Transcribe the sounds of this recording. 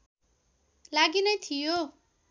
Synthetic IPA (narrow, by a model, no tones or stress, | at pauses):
laɡinʌjt̪ʰijo